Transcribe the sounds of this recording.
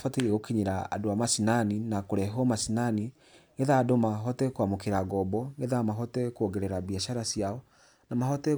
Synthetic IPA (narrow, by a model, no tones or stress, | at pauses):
fateɾieɣokeɲeɾaa̰doamasinaninakoɾɛɦɔmasinani | ŋeðaːdomaɦɔtɛkwamokeɾaɡɔbɔŋeðamaɦɔtɛkwoɡɛɾɛɾabiaʃaɾasiaɔ | namahɔtɛ